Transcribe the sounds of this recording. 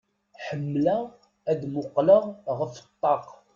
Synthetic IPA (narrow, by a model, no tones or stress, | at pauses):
ħəmːla | æðmʊqləʁəft̪ˤːɑq